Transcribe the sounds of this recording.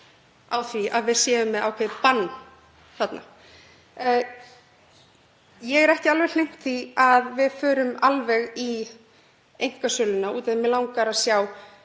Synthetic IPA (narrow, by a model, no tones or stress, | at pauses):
awθviaðvɪð̥sjɛːvʏmːɛðawkʰejpanː | θat̪na̰ | jɛɣɛɾɛhcɪalvɛɾlejŋ̥t̪θiaðvɪðfœːɾʏmalvɛɣi | ejŋ̥kasʏlʏnauːt̪ɛðɪmɪlawŋkaɾaðsjaːw